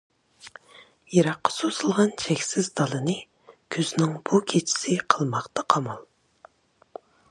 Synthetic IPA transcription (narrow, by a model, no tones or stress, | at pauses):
jɑɾɑqːɑ̥sosɨlˠʁɑnt͡ʃʰɛkʲsɪzd̪ɑlˠɨnɨ | kʲʰøznɪŋb̥ukʲʰet͡ʃʰi̥sɪqʰəlˠmɑχt̪ʰɑqʰɑmɑlˠ